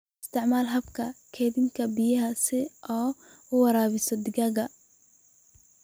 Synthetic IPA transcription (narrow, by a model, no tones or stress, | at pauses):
ɪst̪ʰɪʕmaːlɦɐbkʰɐkʰɛːβɪŋkʰɐbɪjɐɦɐsɪʔɔː | ʊwɐɾaːβɪsɔd̪ɪɡɐɣɐ